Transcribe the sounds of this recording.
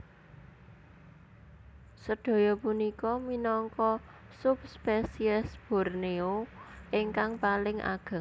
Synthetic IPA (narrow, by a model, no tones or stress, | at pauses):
səɖ̪̥o̤jɔpunikɔminɔŋkɔ | sup̚spesiɛsb̥ɔ̤rneoʔɪŋkaŋpalɪŋʔa̰ɡ̥a̤